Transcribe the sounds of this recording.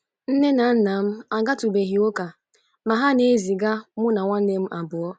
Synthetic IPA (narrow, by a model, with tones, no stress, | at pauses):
n̩˦ne˦na˨˦n̩˦na˨m̩˦a˨ɡa˦tu˨be˨ɦi˨o˦ka˨ | ma˨ɦa˦ne˦zi˨ɡa˦mʊ˦na˨ŋʷa˦ne˦m̩˦ʔa˨bʊ˨ɔ˦